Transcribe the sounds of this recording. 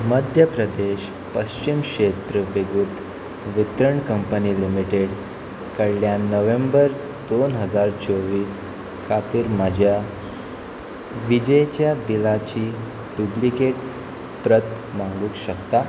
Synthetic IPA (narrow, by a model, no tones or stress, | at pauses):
məd̪ʱjəpɾəd̪eɕ | pəɕt͡ɕimkʂet̪ɾəʋeɡuːt̪ | ʋit̪ɾəɳkəmpəniːlimiʈeɽ | kəɭljanəʋẽmbəɾ | d̪onɦəd͡zaɾt͡ɕoʋiːs | kʰat̪iːɾmad͡ʑʱja | ʋid͡ʑəjt͡ɕjabilat͡ɕiː | ɖublikeʈ | pɾət̪ | maŋɡuːkɕəkt̪a